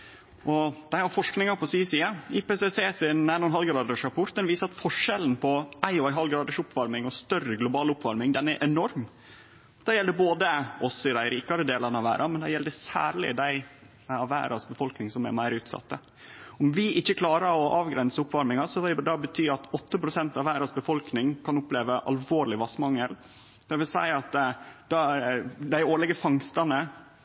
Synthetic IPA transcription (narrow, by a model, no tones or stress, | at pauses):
ʔɔd̪̥æɪhɑɾfɔʂknɪŋɑpɔsyːsiːɑɪpeːseseːsɪnæɪnɔnɦɑlɡɑɑd̪əʂɑpʰʊɾt̪̚d̪ɛnʋiːsəɾɑt̪fɔʂɛln̩pʰɔʔæɪɔæɪɦɑlɡɾɑːd̪əʂʊpʰːʋɑɾmɪŋɔst̪œrəɡlʊbɑːlʊpːʋɑɾmɪŋd̪ɛnɛɾʔɛnɔɾm | d̪̥ɛjɛld̪əboːd̪əɔsɪd̪æɪɾiːkɑɾəd̪eːlɑnəɑʋæ̰ːɾʔɑmɛnd̪ɛjɛld̪əsæ̰ːɾɭɪ̰d̪æɪ | ɑʋæ̰ːɾʔɑsbəfɔlknɪŋsɔmɛ̰mæɪɾʉːt̪sɑ̰t̪ːə | ɔmʋɪʔɪçːəkʰlɑːɾəɾɔʔɑːʋɡɾɛnsəʊpːʋɑɾmɪŋɑsɔʋɪd̪ɑbət̪ʰyːɑt̪ɔt̪ːəpɾʊsɛnt̪ɑʋæːɾɑsbəfɔlknɪŋkʰɑnʊpleːʋəʔɑ̰lʋoːɾɭɪʋɑsmɑŋəl | d̪̥ɛʋɪlsæ̰ɪɑt̪d̪̥ɑd̪æɪoːɭɛɡəfɑŋst̪ɑnə